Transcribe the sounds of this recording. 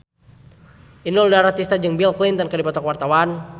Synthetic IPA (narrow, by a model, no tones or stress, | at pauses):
ʔinuldaɾat̪ist̪ad͡ʒəŋbilklint̪ənkadipɔt̪ɔkwart̪awan